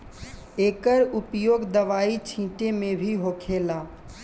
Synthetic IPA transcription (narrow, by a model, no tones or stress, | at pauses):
ekəɾupjoɡd̪əʋait͡ʃʰĩʈemebʱiɦokʰela